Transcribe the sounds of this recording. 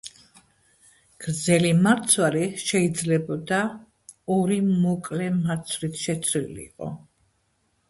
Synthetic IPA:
ɡ̥ɾd̪zɛlimaɾt̪sʰwaɾiʃɛid̪zlɛbɔd̪a | ɔɾimɔkʼlɛmaɾt̪sʰɾit̪ʰʃɛt̪sʰɾḭlḭːqʼɔ̰

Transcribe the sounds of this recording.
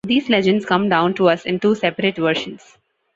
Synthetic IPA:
d̪iːzlɛd͡ʒə̃ɳɖskʌ̃mɖãʊ̃nʈuʌsɪ̃nʈuːsɛpəɾeʈʋəɾʃə̃nz̥

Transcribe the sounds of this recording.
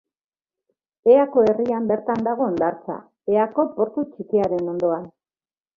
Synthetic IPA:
e̞ako̞e̞riambe̞ɾt̪and̪aɣ̞o̞nd̪aɾt͡sa̰ | e̞ako̞po̞ɾt̪ut͡ʃikiaɾe̞no̞nd̪o̞an

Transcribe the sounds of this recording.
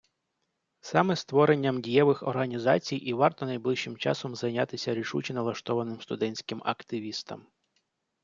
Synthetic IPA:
sɑmɛst̪ʋɔɾenʲːɐmdʲijɛʋɪxɔ̰rɦɐnʲizɑt͡sʲijʔiʋɑrt̪ɔnɐjblˠɪʃːɪmt͡ʃɑ̰sɔmzɐjnʲat̪ɪsʲɐɾʲiʃut͡ʃʲinɐlˠɐʃt̪ɔʋɐnɪmst̪ʊd̪ɛnʲsʲkɪmɐ̰kt̪ɪʋʲist̪ɐ̰m

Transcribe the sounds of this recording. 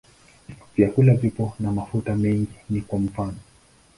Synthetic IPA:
vjakulavipɔnamafutamɛŋɡinikwam̩fanɔ

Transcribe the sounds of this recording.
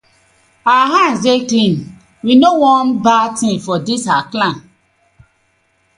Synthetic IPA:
aaɦãnsetĩn | winowɔ̃nbatĩfɔdisaklãn

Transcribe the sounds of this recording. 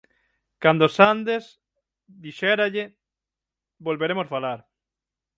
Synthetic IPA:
kand̪osand̪es | ðiʃɛɾaʎɪ | bolβeɾemosfalaɾ

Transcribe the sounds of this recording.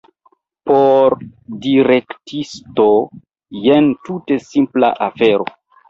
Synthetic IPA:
poɾdiɾe̞ktisto | jentute̞simpla̰ʔafe̞ɾo̰

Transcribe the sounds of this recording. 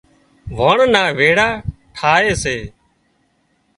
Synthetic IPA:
ʋoːɳnaːʋeːɽaːʈʰaːeːseː

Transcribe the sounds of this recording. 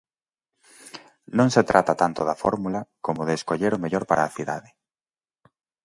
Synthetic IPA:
nõŋset̪ɾʔat̪at̪ant̪oðɐfɔ̰ɾmulɐkomoðeːskoʎeɾomeʎoɾpaɾʔaːθiða̰ðɪ

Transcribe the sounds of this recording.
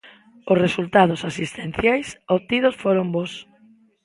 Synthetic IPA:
ʊsresult̪að̞ʊsasist̪ẽn̟θjajsot̪iðʊsfoɾombos

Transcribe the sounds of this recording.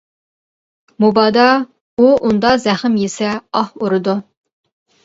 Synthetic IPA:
mubɑːd̪ɑ | uʔund̪ɑzɛχɪmjesɛɑhuɾɨd̪u

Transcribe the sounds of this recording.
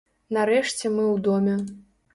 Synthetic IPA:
naɾɛʂt͡sʲɛmɨwd̪ɔmʲɛ

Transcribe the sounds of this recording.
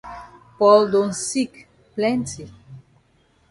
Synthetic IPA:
pɔld̪õnsik | plɛ̃nti

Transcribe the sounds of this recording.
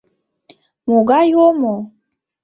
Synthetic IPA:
muɡajomɔ

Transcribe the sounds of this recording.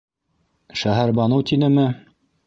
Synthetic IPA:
ʃæɦæɾbɑnɤwt̪inɘ̆mɘ

